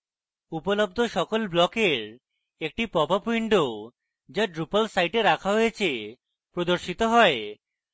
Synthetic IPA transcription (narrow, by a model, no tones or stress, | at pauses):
upolob̚d̪ʱoʃɔkolblɔkeɾ | ek̚ʈipɔbapuiɳɖo | d͡ʑaɖɾupalsajʈeɾakʰaɦojet͡ɕʰe | pɾod̪oɾʃit̪oɦɔe